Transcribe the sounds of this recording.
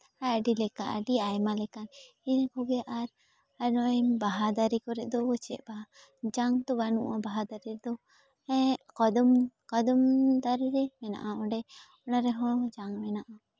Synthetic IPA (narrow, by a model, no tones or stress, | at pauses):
aɖilɛkaʔa̰ɖiajmalɛkan | inakɔɡɛʔaɾ | anɔbaɦad̪aɾikɔɾɛʔd̪ɔbɔt͡ʃɛ̰ʔbaa | d͡ʒaŋt̪ɔbanṵʔabaɦad̪aɾid̪ɔ | ɛkɔd̪ɔmkɔd̪ɔmd̪aɾiɾɛmɛna̰ʔaɔ̃ɖɛ | ɔnaɾɛɦɔ̃d͡ʒaŋmɛnaʔa